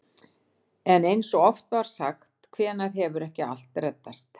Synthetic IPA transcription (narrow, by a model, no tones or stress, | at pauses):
ɛnejnsɔɔft̪vaɾ̥saxt̪kʰvɛːnaɾ̥ɦɛvʏɾɛhcɪa̰l̥t̪ɾɛt̪ːast̪